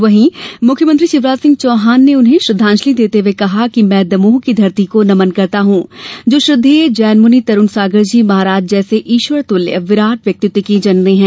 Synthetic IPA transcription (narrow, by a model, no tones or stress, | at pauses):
ʋɐɦĩmʊkʰjəmə̃nt̪̬ɾiʃɪʋɾaːd͡ʒsɪ̃ŋɡ̚t͡ʃɔːɦaːnːeʊnɦẽʃɾɪd̪ʱːãːnʃlid̪eːt̪eʋekɐɦakimɛ̃ːd̪ɐmuːɦkid̪ʱɐɾt̪ikonɐmənkɐɾt̪aɦũd͡ʒoːʃɾɪd̪ʱːeːd͡ʒɛːnmʊnit̪ɐɾʊnsaːɡəɾd͡ʒiːmɐɦaːɾaːd͡ʒd͡ʒɛːseʔiːʃʋəɾt̪ʊljə̰ʋɪɾaːʈʋjɐk̚t̪ɪt̪wikid͡ʒɐnneɦɛ̃ː